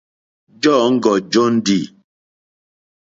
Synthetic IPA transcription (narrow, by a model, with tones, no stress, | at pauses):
d͡ʒɔ˦˨ŋ̩˦ɡɔ˨d͡ʒo˦n̩˦di˦˨